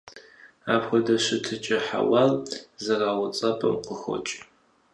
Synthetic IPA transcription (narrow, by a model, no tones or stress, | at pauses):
a̰ːpχʷɔdɐɕɪtʰɨt͡ʃʼɐħa̰wɑːlzɐraːwʊt͡sʼɐpʼɐ̰mqʷəxʷɔ̰t͡ʃʼ